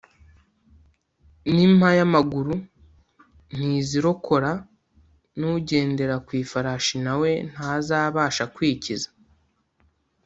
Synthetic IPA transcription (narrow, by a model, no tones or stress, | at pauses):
nim̥hajamaɡuɾu | n̥iziɾo̞kʰo̞ɾa | nuɟe̞ːnde̞ɾakwiːfaɾaʃinawe̞n̥haːzaːβaːʃakwiːcizḁ